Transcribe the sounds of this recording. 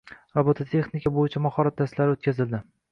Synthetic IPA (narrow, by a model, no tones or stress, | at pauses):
ɾabot̪ʰat̪ʰe̞χnɪkʰʲabojɪt͡ʃʰamahɒɾat̪̚d̪aslaɾɪot̪̚kʲʰazɪld̪ɪ